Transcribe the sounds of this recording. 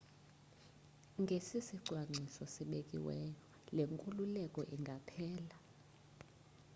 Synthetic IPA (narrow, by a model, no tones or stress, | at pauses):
ŋɡʱesisiǀʱwaŋ͡ǀʱisɔsiɓekʼḭwɛːjɔ | leŋkʼululɛkʼɔʔiŋɡʱapʰɛːla